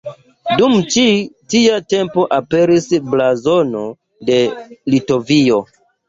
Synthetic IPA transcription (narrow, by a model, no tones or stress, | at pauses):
dumt͡ʃitiate̞mpo̞ʔape̞ɾisblazo̞no̞ | de̞lito̞vio̞